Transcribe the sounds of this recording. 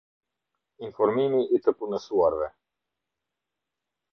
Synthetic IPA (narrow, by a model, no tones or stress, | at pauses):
infɔɾmimiit̪əpunəsuaɾvɛ